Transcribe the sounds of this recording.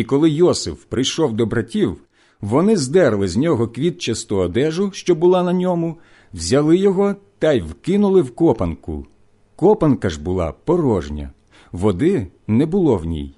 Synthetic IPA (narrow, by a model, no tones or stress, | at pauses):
ikɔlˠɪjɔsɪ̰fpɾɪjʃɔwd̪ɔbɾɐtʲiw | ʋɔnɪzd̪ɛɾlˠɪzʲnʲɔɦɔkʋʲit̪̚t͡ʃɐst̪ɔːd̪ɛʒʊʃt͡ʃɔbʊlˠɑnɐnʲɔmʊ | wzʲɐlˠɪjɔɦɔt̪ɐjwkɪnʊlˠɪwkɔpɐnkʊ̰ | kɔpɐnkɐʒbʊlˠɑ̰pɔɾɔʒnʲɐ̰ | ʋɔd̪ɪnɛbʊlˠɔwnʲḭj